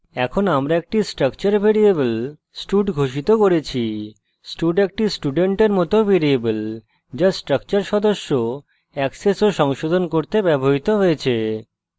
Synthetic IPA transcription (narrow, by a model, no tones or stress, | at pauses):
ɛkʰonamɾaek̚ʈisʈɾəkt͡ɕaɾbʱeɽiebəl | sʈuɖɡʱoʃit̪okoɾet͡ɕʰi | sʈuɖek̚ʈisʈuɖeɳʈeɾmɔt̪obeɾiebəl | d͡ʑasʈɾək̚t͡ɕaɾʃɔd̪oʃːo | ɛksesoʃɔŋʃod̪ʱonkoɾt̪ebɛboɦit̪oɦojet͡ɕʰe